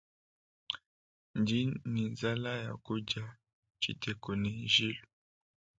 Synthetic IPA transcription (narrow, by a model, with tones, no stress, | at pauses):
nd͡ʒi˦ni˨za˦la˦ja̰˨ku˦d͡ʒa˦˨ | t͡ʃḭ˨tɛ˨kɔ˨ni˨ʒi˦lu